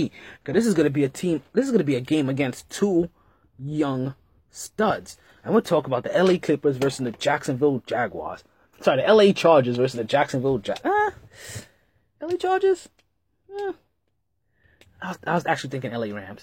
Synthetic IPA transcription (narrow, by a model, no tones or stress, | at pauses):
kʌðɪs̬ɨzɡʌnɨbiɨtʰĩmðɪs̬ɨzɡʌnɨbiɨɡẽɪ̃mɨɡɛ̃nstʰu | jʌ̃ŋ | stʌdz̥ | ə̃nwitʰɔkəbaʊt̪̚ðiʔɛlˠekʰl̥ɪpə˞zvɜ˞sɨ̃n̩ðɨd͡ʒæksɨ̃nvɪlˠd͡ʒæɡwɑ̰z̥ | sɑɹiiʔɛlˠeɪt͡ʃʰɑɹd͡ʒɨzvɜ˞s̬ɨzðɨd͡ʒæksɨ̃nvɪlˠd͡ʒæ̰a | ɛlˠeɪt͡ʃʰɑɹd͡ʒɪz̥ | aɪwʌzaɪwʌzæk̚t͡ʃʉl̩ˠiθɪ̃ŋkɪ̃ŋɛlˠeɪɹæ̃mz̥